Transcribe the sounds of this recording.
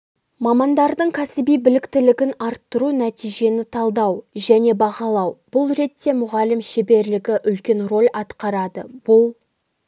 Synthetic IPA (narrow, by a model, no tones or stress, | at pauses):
mɑmɑnd̪ɑɾd̪əɴkʲʰæsɪbijbɪlɪkt̪ɪlɪɡʲɪnɑɾt̪ːəɾunæt̪ijʒe̞nɪt̪ʰɑlˠd̪ɑwʒæne̞bɑʁɑlˠɑwb̥ʊlˠɾe̞t̪ːe̞mʊʁɑlɪmʃebe̞ɾlɪɡʲɪʔʏlkʲe̞nro̞lʲɑt̪qɑɾɑd̪əb̥ʊlˠ